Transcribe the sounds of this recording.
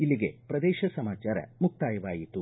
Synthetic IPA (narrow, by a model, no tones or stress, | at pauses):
ilːiɡe̞̰pɾɐd̪eːʃɐsɐmaːt͡ʃaːɾɐ̰muk̚t̪aːjɐʋaːjit̪u